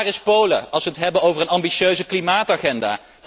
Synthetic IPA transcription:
rɪspowlə̰ɑlˠsʋəɦətɦɛbənowvərənɑmbiʃøɥzəklimaːtaχɛnda̰ː

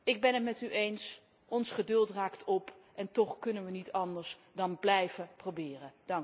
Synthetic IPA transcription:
ɪɡ̚bɛnɦətmɛtyʔejns | ʔɔnsχədɵlˠtraːktʰɔp | ʔɛntɔχkɵnənʋənitɑndəɹsdɑnblɛjvəprowbɪːrəd̥ɑŋ

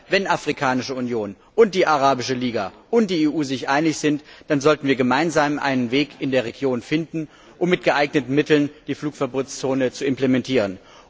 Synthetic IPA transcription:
vɛnʔafʁ̥ikʰaːnɪʃəunjoːn | ʔʊnt̚d̥iːʔaʁaːbɪʃəliːɡaʔʊnt̚d̥iːeːʔuːzɪçʔaɪnɪçz̥ɪntd̥anzɔltn̩viːɐɡəmaɪnzaːmʔa̰ɪnənveːkʰɪndeːɐʁ̞eɡjoːnfɪndn̩ | ʔʊmːɪt̚ɡ̥əʔaɪɡnətn̩mɪtl̩nd̥iːfluːkfɛɐboːtst͡soːnət͡suɪmplemɛntʰiːʁ̞ən

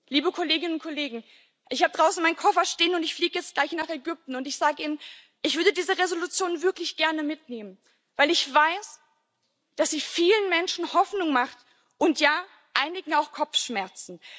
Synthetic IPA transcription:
liːbəkʰoleːɡɪnənʊnt̚kʰoleːɡŋ̩ | ʔɪçhaːbəd̥ʁaʊsn̩maɪnkʰɔfɐʃteːənʊntɪçfliːɡəjɛt͡st̚ɡ̥laɪçnaːχɛɡʏp̚tn̩ʊntɪçz̥aːɡəʔiːnən | ʔɪçv̥ʏɐdədiːzəʁezolut͡sjoːnvɪɐklɪçɡ̥ɛɐnəmɪtneːmən | vaɪlɪçv̥aɪs | d̥asz̥iːfiːlənmɛnʃn̩hɔfnʊŋmaχt | ʔʊntʰjaː | ʔaɪnɪɡŋ̩aʊxkʰɔpp͡fʃmɛɐt͡sn̩

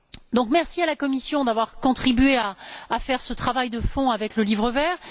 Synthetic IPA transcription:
d̪ɔ̃kmɛʁsialakɔmisjɔ̃d̪avwaʁkɔ̃t̪χibɥeaːfɛʁsət̪χavajd̪əfɔ̃avɛkləlivʁəvɛːʁ

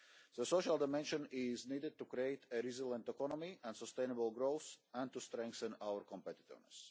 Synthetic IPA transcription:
ðəsoʃalˠd̪ɪmɛ̃nʃə̃nɪzniːdɪd̚t̪ukɾieɪt̪əɾizilˠə̃nt̪ɛkɔnɔmiʔæ̃nsəst̪ẽɪnəbəlˠɡɾoʊθæ̃nt̪ust̪ɾɛ̃ŋkθə̃naəɾkɔ̃mpɛt̪ɪ̥t̪ɪ̰vnɛs

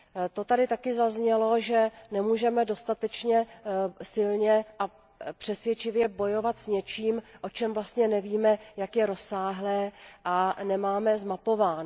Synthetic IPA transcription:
t̪o̞t̪adɪt̪akɪzazɲɛlo̞ʒɛnɛmuːʒɛmɛdo̞st̪at̪ɛt͡ʃɲɛsɪlɲɛʔa | pr̥ɛsvjɛt͡ʃɪvjɛbo̞jo̞vat̪sɲɛt͡ʃiːmʔo̞t͡ʃɛmvlast̪ɲɛnɛviːmɛjakjɛɾo̞sːaːɦlɛːʔanɛmaːmɛzmapo̞vaːn

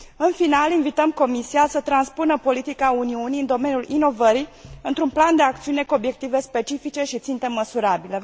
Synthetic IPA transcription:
ɨnfinalinvit̪əmko̞misiasət̪ɾanspunəpo̞lit̪ikauniuniɨnd̪o̞menjulino̞vəɾiɨnt̪ɾunpland̪e̞ak̚t̪siune̞kuo̞bje̞k̚t̪ive̞spe̞t͡ʃifit͡ʃe̞ʃit̪sint̪e̞məsuɾabile

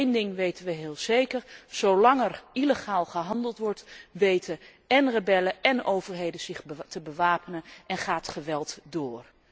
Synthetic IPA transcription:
ndɪŋʋejtənʋəɦɪːlˠz̥ejkəɹz̥owlɑŋɛriləχaːlˠχəɦɑndəlˠtʋɔɹtʋejtə | ɛnrəbɛləɛnowvəɹɦejdəzɪχtəbəʋaːpənənʔɛnχaːtχəʋɛlˠtdʊːr

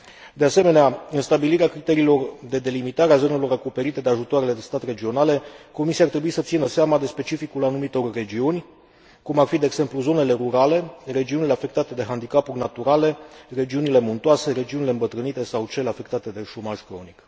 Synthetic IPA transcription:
d̪ease̞me̞neaɨnst̪abiliɾeakɾit̪e̞ɾiːlo̞rd̪e̞d̪e̞limit̪aɾeazo̞ne̞lo̞ɾakope̞ɾit̪e̞d̪e̞aʒut̪oaɾe̞le̞d̪e̞st̪at̪re̞d͡ʒio̞nale̞ko̞misiaːrt̪ɾe̞buisət̪sinəseamad̪e̞spe̞t͡ʃifikulanumit̪o̞rːe̞d͡ʒiunʲ | kumarfid̪eːɡse̞mpluzo̞ne̞le̞ɾuɾale̞re̞d͡ʒiunile̞afe̞k̚t̪at̪e̞d̪e̞ɦand̪ikapurʲnat̪uɾale̞re̞d͡ʒiunile̞munt̪oase̞ɾe̞d͡ʒiunile̞ɨmbət̪ɾɨnit̪e̞sawt͡ʃe̞leafe̞k̚t̪at̪e̞d̪e̞ʃo̞maʒkɾo̞̰nik

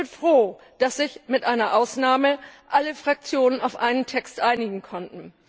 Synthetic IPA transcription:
ɪfʁ̥oː | d̥asz̥ɪçmɪtʔaɪnɐʔaʊsnaːməʔaləfʁ̥ak̚t͡sjoːnənaʊfʔaɪnəntʰɛkstʔaɪnɪɡŋ̩kʰɔntn̩

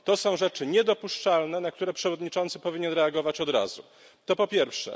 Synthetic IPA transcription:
t̪ɔsɔ̃w̃ʐɛt͡ʂɘɲɛd̪ɔpuʂt͡ʂalnɛnak̚t̪uɾɛpʂɛvɔd̪ɲit͡ʂɔnt̪sɘ̥pɔvʲiɲɛnɾɛaɡɔvat͡ɕɔd̪ɾa̰zu | t̪ɔpɔpʲjɛɾfʂɛ̰

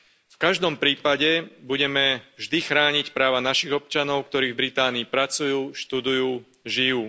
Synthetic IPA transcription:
fkaʒd̪ɔmpɾiːpaɟɛbuɟɛmɛvʒd̪ixɾaːɲicpɾaːʋanaʃiɣɔp̚t͡ʃanɔʊkt̪ɔɾiːɣvbɾit̪aːniːpɾat͡sujuːʃt̪ud̪ujuː | ʒijuː

